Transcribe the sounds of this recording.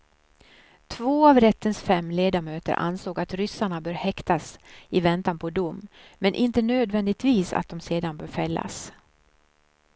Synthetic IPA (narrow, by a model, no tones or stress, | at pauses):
t̪ʰvoːavɾɛt̪ʰːənsfɛmːleːd̪amøːt̪ə̰ɾʔa̰nsoːɡat̪ɾʏsaɳabœːɾhɛkt̪asɪvɛnt̪anpʰɔd̪ʊmːmɛnʔɪnt̪ənøːd̪vɛnd̪ɪt̪viːsa̰t̪̚d̪ɔmseːd̪anbœːɾfɛlːa̰s